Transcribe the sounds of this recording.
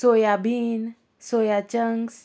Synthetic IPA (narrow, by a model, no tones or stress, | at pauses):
sojabʱiːn | sojat͡ɕəŋɡs